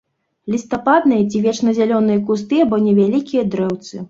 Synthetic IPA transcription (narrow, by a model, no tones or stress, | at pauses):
lʲist̪apad̪nɨjɐt͡sʲivʲɛt͡ʂnɐzʲalʲɔnɨjɐk̬ust̪ɨɐbɔnʲɛvʲalʲikʲijɐd̪ɾɛwt̪sɨ